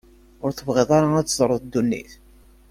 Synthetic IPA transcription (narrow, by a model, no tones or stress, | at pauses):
ʊɾθəvʁeðˤɑɾaæt͡sːzˤɾˤəðˤd̪ːunːḭθ